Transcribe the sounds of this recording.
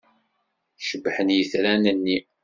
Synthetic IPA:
ʃəbːħənjəθɾænənːi

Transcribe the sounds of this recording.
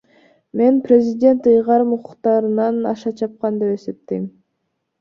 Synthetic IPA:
me̞nprʲezʲidʲe̞nt̪ɯjʁɑɾɯmuqʰu̥qt̪ɑɾɯnɑnɑ̰ʃɑt͡ʃʰɑp̚qɑnd̪e̞pe̞se̞p̚t̪im

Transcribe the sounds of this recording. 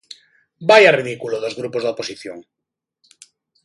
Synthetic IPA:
bajariðikuloðozɣɾupozðoposiθjo̰ŋ

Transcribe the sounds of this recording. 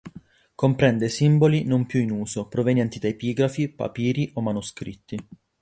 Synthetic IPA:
kompɾɛnd̪esimbolinompjuinuːzopɾovenjɛnt̪id̪aepiːɡɾafipa̰piːɾiʔomːanuskɾit̪ːi

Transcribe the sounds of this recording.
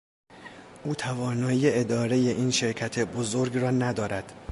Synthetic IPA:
ʔuːt̪ʰævɒːnɒːiːjeed̪ɒːɾe̞je̞ʔiːnʃe̞ɾcʰæt̪ʰe̞bozoɾɡrɒːnæd̪ɒːɾæd̪̥

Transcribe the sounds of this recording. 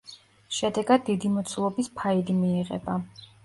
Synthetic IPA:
ʃɛd̪ɛɡad̪̚ːid̪imɔt̪sʰulˠɔbispʰaid̪imiɛʁɛ̰ba

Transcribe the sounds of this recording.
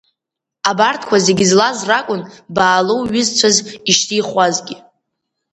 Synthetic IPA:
abartʰkʷʰazeɡʲɪzlazrakʷʼʊnbaːlowɥɪzt͡ʃʷʰaziʃtʰijχʷazɡʲɪ

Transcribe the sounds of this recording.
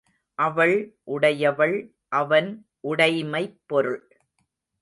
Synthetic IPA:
ʔɐʋɐɭʔʊɽɐjɐʋɐɭ | ʔɐʋɐn | ʔʊɽɐɪmɐɪpːɔɾɯɭ

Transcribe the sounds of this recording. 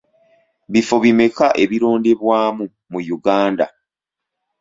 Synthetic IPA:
βifo̞βime̞kaʔe̞βiɾo̞ːndeβwaːmu | mujuɡaːnda̰

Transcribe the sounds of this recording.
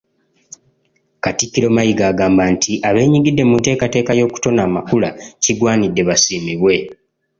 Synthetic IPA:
katikːiɾo̞majiɡaːɡaːmbantʰiʔaβe̞ːɲiɡidːe̞munte̞ːkate̞ːkajo̞ːku̥to̞naːmakulaciɡwaːnidːe̞βasiːmiβwe̞

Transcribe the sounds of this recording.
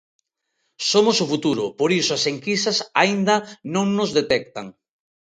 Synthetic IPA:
somosʊfut̪uɾʊpoɾisʊaseŋkisɐsaind̪ɐnõŋnozðet̪ɛk̚t̪aŋ

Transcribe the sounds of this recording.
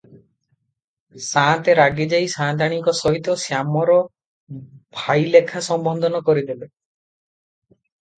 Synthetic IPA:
sãt̪eɾaɡid͡ʒajsãːt̪aɽ̃iŋkɔsɔɦit̪ɔsjamɔɾɔ | bʱajlekʰasɔmbɔnd̪ʱɔnɔkɔɾid̪ebe

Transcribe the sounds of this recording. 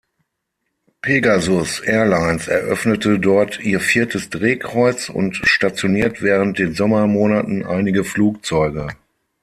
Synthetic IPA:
pʰeɡazʊsʔɛɐlaɪnsɛ̰ɐʔœ̰fnətʰədɔɐtʰiːɐfiːɐtʰəsd̥ʁeːkʁ̥ɔʏt͡sʊ̰ntʃtat͡sjoniːɐtv̥ɛːʁ̞ənt̚d̥eːnzɔmɐmoːnatn̩ʔa̰ɪnɪɡəfluːk̚t͡sɔʏɡə

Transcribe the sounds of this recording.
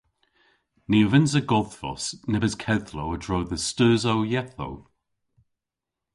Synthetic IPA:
niːəvɪnzəɡɔðfɔ̰snɛbəzkʰɛðlowədɹowðəstʉːzowjɛθo̰w

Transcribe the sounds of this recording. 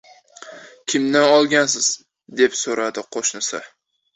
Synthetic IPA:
kʲʰɪmnanɒlˠɡʲansɪz̥ | d̪e̞psoɾad̪ɪqʰoʃnɪsa

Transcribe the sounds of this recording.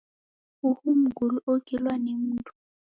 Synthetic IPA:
uhum̩ɡʱuluʔoɡ̥ilwanemuːntʰʼu̥

